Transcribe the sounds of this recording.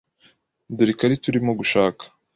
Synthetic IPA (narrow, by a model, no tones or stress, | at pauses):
duɾikaɾituɾimoɡuʃaːkḁ